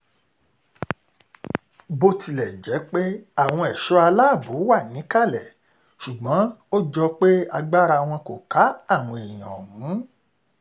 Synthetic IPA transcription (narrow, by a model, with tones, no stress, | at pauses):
bo˧ti˧lɛ˨d͡ʒɛ˨˦k͡pe˦a˦˨w̃ɔ̃˧ɛ˨ʃɔ˨˦a˧la˦˨bo˨˦wa˦˨nĩ˨˦ka˦˨lɛ˨ | ʃu˨ɡ͡bɔ̃˨˦o˦d͡ʒɔ˧k͡pe˦a˧ɡ͡ba˦ɾa˧w̃ɔ̃˧ko˨ka˨˦a˦˨w̃ɔ̃˧e˨j̃ɔ̰̃˨mũ˨˦